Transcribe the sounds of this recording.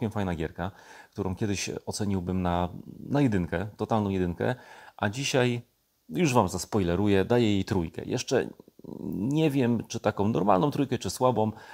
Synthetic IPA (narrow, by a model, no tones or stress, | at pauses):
kʲɛmfajnaɡʲjɛɾkak̚t̪uɾɔ̰̃w̃kʲɛd̪ɘɕɔt̪sɛɲiwbɘmnanajɛd̪ɘŋkɛt̪ɔt̪alnɔ̃w̃jɛd̪ɘŋkɛ̰ʔad͡ʑiɕaj | juʐvamzaspɔjlɛɾujɛd̪ajɛjejt̪ɾujkɛ̰jʔɛ̰ʂt͡ʂɛ̰ | ɲɛvʲjɛmt͡ʂɘt̪akɔ̃w̃nɔɾma̰lnɔ̃w̃t̪ɾujkɛt͡ʂɘswabɔ̃w̃